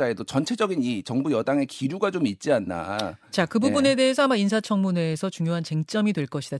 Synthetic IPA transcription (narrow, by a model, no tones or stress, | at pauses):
aedot͡ɕʌnt͡ɕʰe̞d͡ʑʌɡinit͡ɕʌŋbujʌdaŋe̞kiɾuɡat͡ɕomit̚t͡ɕ͈ianːa̰t͡ɕakɯbubune̞de̞ɦesʰʌamains̬ʰat͡ɕʰʌŋmune̞ːsʰʌt͡ɕuŋjoɦant͡ɕeŋt͡ɕ͈ʌmidwe̞ɭk͈ʌɕʰid̥a